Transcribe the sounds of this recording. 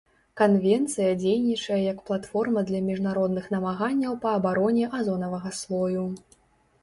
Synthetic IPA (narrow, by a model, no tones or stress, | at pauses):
kanvʲɛnt̪sɨjɐd͡zʲejnʲit͡ʂɐjɛjɐkplˠat̪fɔrmɐd̪lʲɐmʲiʐnaɾɔd̪nɨxnɐmaɣanʲːɐwpɐːbaɾɔnʲɛʔazɔnɐvɐɣɐslˠɔju